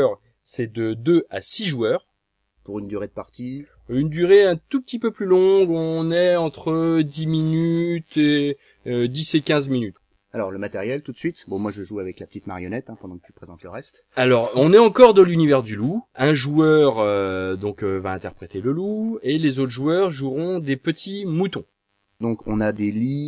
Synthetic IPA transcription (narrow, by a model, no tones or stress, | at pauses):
ʁ | sɛd̪əd̪øa̰siʒuœːʁ | puʁynd̪yʁed̪əpaʁt̪i | ynd̪yʁeɛ̃t̪upət̪ipøplylɔ̃ɡɔ̃nɛɑ̃t̪χəd̪iminyt̪e | ød̪isekʲɛ̃zminyt̪ | alɔʁləmat̪ɛʁjɛlt̪ut̪sɥit̪bɔ̃mwaʒəʒuavɛklapə̥t̪it̪ma̰ʁjɔnɛt̪ɛ̃pɑ̃d̪ɑ̃kət̪y̥pχezɑ̃t̪ləʁɛst̪ | alɔʁɔ̃nɛɑ̃kɔʁd̪ɑlynivɛʁd̪yluɛ̃ʒuœʁød̪ɔ̃køvaɛ̃t̪ɛʁpχet̪eləluelezot̪χʒuœʁʒuʁɔ̃d̪epət̪ʰimut̪ɔ̃ | d̪ɔ̃kɔ̰̃nad̪eli